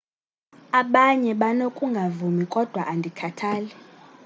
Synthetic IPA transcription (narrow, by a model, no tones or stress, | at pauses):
aɓaɲɛɓanokʼuŋɡʱavumikʼɔd̥ʱwaʔandʱikʰatʰaːlɛ